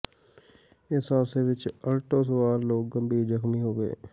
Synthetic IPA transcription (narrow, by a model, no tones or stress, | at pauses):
ɪsaːseʋɪt͡ʃɐɾʈos̬əwaːɾloːɡːɐmbʱid͡ʒəxmiɦoːɡəḛː